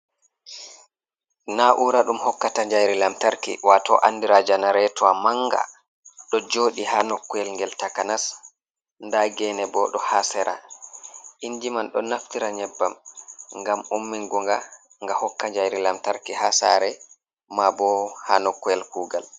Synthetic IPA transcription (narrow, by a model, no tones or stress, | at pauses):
naʔuɾaɗumhɔkːataɲd͡ʒajɾilamtaɾkḭwatɔ̰ʔa̰nːdiɾad͡ʒanaɾɛtɔamaŋɡa̰ | ɗɔd͡ʒoːɗihanɔkːuɛlŋɡɛltakanas | ndaɡɛnɛbɔɗɔhasɛɾa̰ | ʔiɲd͡ʒimanɗɔ̰naftiɾaɲɛbːamŋɡamumːiŋɡɔŋɡa | ŋɡahɔkːaɲd͡ʒajɾilamtaɾkihasa̰ːɾɛ | mabɔhaːnɔkːuɛlkuːɡa̰l